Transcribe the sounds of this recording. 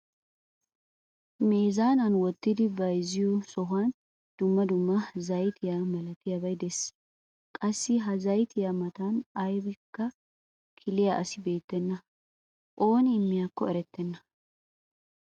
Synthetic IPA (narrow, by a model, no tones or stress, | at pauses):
meːzaːnɐnwɔt̪ːɪd̪ɪbɐjzɪjusɔɦʊan | d̪̥ʊmːɐd̪ʊmːɐzɐjt̪ʰɪjamɐlɐt̪ɪjabɐjd̪ɛsː | kʼɐsːɪɦɐzɐjt̪ʰɪjamɐt̪anɐjbɪkːɐ | kʰɪlɪjaʔɐsɪbe̞ːt̪ːɛnːɐ | ʔo̞ːnɪːmːɪjakːɔɛɾɛt̪ːɛnːɐ